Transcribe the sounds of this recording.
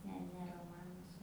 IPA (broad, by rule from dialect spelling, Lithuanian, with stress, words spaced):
ˈnʲɛ ˈnʲɛ roːˈmɑːnʊs